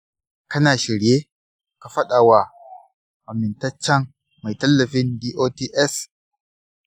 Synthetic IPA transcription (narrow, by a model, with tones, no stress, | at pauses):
kɐ˦naː˨ʃɪ˨ɽjeː˦ | ka˨ɸɐ˦ɗaː˨wa˨ | ʔa˨mɪ˨ntɐ˦t͡ʃːɐ˦ŋ | ma˨jtɐ˦lːɐ˨ɸɪ˦ndiː˦ʔoː˦tiː˦ʔɛ˦s